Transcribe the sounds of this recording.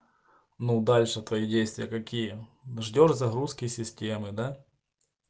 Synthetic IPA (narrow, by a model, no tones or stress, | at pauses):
nud̪alʲʂɨt̪vɐjidʲejst̪vʲɪjəkɐkʲijəʐdʲo̞ʐzɐɣɾuskʲɪsʲɪsʲtʲemɨd̪a